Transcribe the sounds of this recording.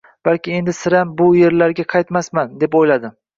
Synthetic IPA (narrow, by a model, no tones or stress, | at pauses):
b̥alkʲɪe̞nd̪ɪsɪɾambʊje̞ɾlaɾɡʲaqʰɑjt̪masmand̪e̞pojlad̪ɪ